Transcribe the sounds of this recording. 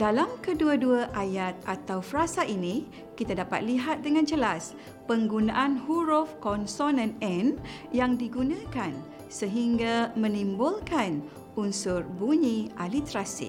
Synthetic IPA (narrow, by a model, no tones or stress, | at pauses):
dalamkəduaduaʔajat̪̚at̪awfəɾasaʔinĩ | kit̪adapa̰t̪̚liɦat̪̚dəŋãnd͡ʒəlas | pəŋɡunãʔanhuɾofkɔnsɔnãnɛn | jaŋdiɡunãkan | səɦiŋɡamə̃nĩmbʊlkan | unsʊrbuɲĩʔalit̪ɾasḭ